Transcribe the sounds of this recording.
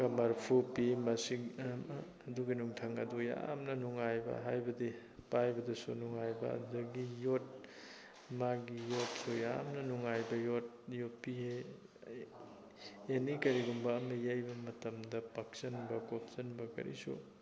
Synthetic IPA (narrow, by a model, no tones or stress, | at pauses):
ɡɐmɐɾpʰupimɐsiː | duɡinuŋtʰɐŋɐduja̰mnɐnuŋajbɐ̰ɦajbɐdi | pajbɐdɐsṵnuŋajbɐ̰ddɐɡijot̚ | maɡijot̚suja̰mnɐnuŋajbɐjot̚ | jopiɦe | enikɐɾiɡumbɐːmɐjajbɐmɐtɐmdɐpak̚sɐnbɐkop̚sɐnbɐkɐ̰ɾʔḭsṵ